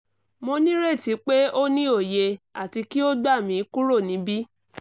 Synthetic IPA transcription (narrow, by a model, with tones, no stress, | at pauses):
mo˧nĩ˦ɾe˦˨ti˨˦k͡pe˦o˦nĩ˦o˦˨je˧a˨ti˧ki˦o˦da˦˨mĩ˧˦ku˦ɾo˦˨nĩ˨˦bi˦